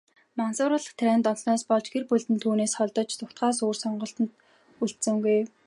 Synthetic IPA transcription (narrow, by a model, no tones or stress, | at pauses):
mansʊːɾə̆ːɮə̆χt̪ʰæɾæːnt̪ɔnsnɔːspɔɮt͡ɕɡerpuɮt̪ɘ̆nt̪ʰuːneːsχɔɮt̪ɞ̆t͡ɕt̪ʰʊkt̪χɢaːs̬oːrsɔɴɢɞ̆ɬt̪ɞ̆nt̪̚ | uɬt̪sɘ̆ŋɡuj